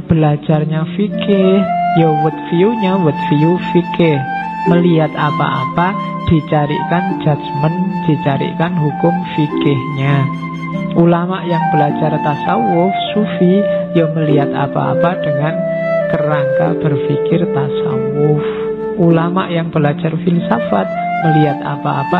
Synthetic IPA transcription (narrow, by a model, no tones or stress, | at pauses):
b̥əlḁd͡ʒ̥arɲafikɪhjowət̪̚fiuɲawʊt̪̚fiufikɪh | məliɦat̪apa̰ʔapa | d̪̥i̤t͡ʃaɾḭʔkan̥d͡ʒ̥a̤d̪mənd̪̥i̤t͡ʃaɾḭʔkanhukʊmfikɪhɲa | ʔulamaʔjaŋbəlḁd͡ʒʒ̥art̪asawʊfsufijaməliɦat̪a̰pa̰a̰pad̥əŋan | k̪əɾaŋka̰b̥ərfikɪrt̪asa̰wʊf | ʔulama̰ʔjaŋb̥əlḁd͡ʒ̥arfilsafat̪̚məliɦat̪̚a̰pa̰a̰pa